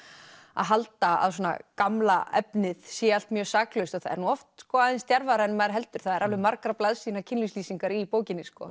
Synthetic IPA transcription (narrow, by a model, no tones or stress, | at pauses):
a̰ðɦalt̪aa̰ðs̬ɔːna̰kamlaɛpnɪð̥sjɛalt̪mjœːsaːklœst̪ɔθaðɛ̰ɾnuːɔft̪skɔaðɪnst̪jaɾvaɾaɛnmaðɾɦɛlt̪ʏɾ̥θaðɛɾalɛðmaɾkɾaplaðsiːnacʰɪnlisliːsiŋkaɾipoːwcɪnːɪskɔ̰